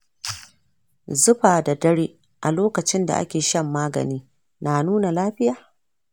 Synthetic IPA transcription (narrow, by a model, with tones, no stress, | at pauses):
zʊ˦ɸaː˨da˨dɐ˦ɽeː˦ | ʔa˨loː˦kɐ˨t͡ʃɪ˦nda̰˨ʔa̰˦kʲeː˨ʃɐ˦mːaː˦ɡɐ̰˨niː˦ | naː˨nuː˦na˨laː˦ɸɪ˦jaː˨